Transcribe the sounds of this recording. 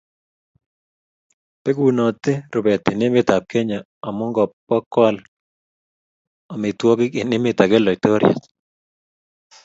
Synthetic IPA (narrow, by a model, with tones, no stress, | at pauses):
pe˦ɡu˨nɔ˨t̪ɪ˦ɾo˨bɛ˨t̪ɪ˨nɪ˦mɪ˦t̪a˨p̚kɛ˦ɲa˨ | a˨mʊ˦ŋɡɔ˨pːɔ˦kwa˦l | a˨mɪ˨t̪wɔ˦ɡɪ˦kɪ˨nɪ˦mɪ˦t̪a˨ɡɛ˦lɔ˨ɪ˨t̪o˦ɾja̰˨t